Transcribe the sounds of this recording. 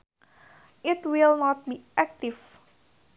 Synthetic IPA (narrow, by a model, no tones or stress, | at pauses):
ɪtwilˠnɔt̚biʔæk̚tiv